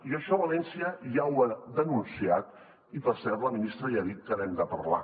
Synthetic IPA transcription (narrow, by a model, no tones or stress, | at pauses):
iəʃɔβɐlɛnsiəʒawad̪ənunsiat̪ | ipəɾsɛɾləminist̪ɾəiaðit̪̚kənɛmd̪əpəɾla̰